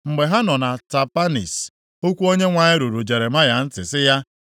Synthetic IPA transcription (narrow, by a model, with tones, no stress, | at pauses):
ŋ͡m̩˨ɡ͡be˨ɦa˦nɔ˨na˨ta˨pa˦nḭ˨s | o˦kʷu˦o˦ɲe˦ŋʷa˨ɲɪ˦ɾu˨ɾu˨d͡ʒe˨ɾe˨ma˦ja˨n̩˦tɪ˨sɪ˦ja˦